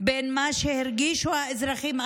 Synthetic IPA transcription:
benmaʃehiɾɡiʃuaezɾaχima

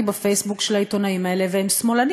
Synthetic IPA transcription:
ibafejsbukʃelhaito̞naimae̞le̞veemsmo̞lan

